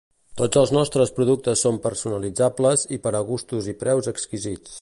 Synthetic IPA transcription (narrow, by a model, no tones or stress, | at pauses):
t̪od͡zəlˠznɔst̪ɾəspɾuðuk̚t̪əsːompəɾsunəlid͡zabləzipəɾəɣust̪uzipɾɛwzəkskizit͡s